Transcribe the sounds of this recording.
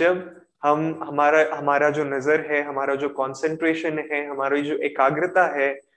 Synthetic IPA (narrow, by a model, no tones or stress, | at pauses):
d͡ʒɐb | hɐmɦɐmaːɾaɦɐmaːɾad͡ʒoːnɐzəɾɦɛɦɐmaːɾad͡ʒoːkɔːnsə̃ɳʈɾeːʃənɦɛɦɐmaːɾoid͡ʒoːʔeːkaːɡɾɪt̪aɦɛː